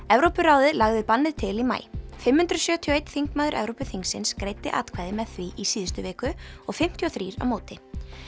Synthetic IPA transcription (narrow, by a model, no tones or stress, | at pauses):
ɛvɾowpʏɾawðɪlaɣðɪpanːɪt̪ʰɪlima̰ːjfɪmhʏnt̪ɾʏsjœːt̪ʰiɔejt̪θiŋkmaːðʏɾʔɛ̰vɾowpʏθiŋsɪnskɾeːjt̪ɪʔa̰ːt̪kʰvaːjðɪmɛðθviʔisiːðʏst̪ʏvɛːkʏɔɣfɪm̥t̪ʰjiɔθɾiːɾa̰vmoːwt̪ɪ